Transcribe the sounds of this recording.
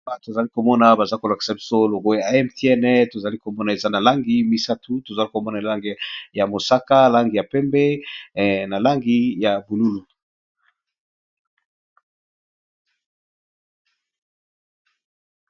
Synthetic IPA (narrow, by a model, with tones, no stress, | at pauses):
ba˨to˨za˨li˦ko˨mɔ˦na˨ba˨za˦ko˨la˨ki̥˨sa˨bi˦so˦lo˨ɡo˦ja˨˦ɛ˦mti˦ɛ˦nɛ˦to˨za˨li˦ko˨mɔ˦na˨e˨za˦na˨la˦ŋɡi˦mi˦sa˦tʰu˦to˨za˨li˦ko˨mɔ˦na˨la˦ŋɡi˨ja˨mo˨sa˦ka˦la˦ŋɡi˨ja˨pɛ˦mbɛ˦˨ | na˨la˦ŋɡi˦ja˨bu˨lu˦lu˨